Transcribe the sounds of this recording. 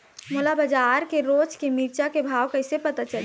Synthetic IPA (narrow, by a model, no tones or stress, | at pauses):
moːlabəd͡ʒaːɾkeɾoːt͡ʃkemiːɾt͡ʃakebʱaːʋkɐɪsepət̪at͡ʃəl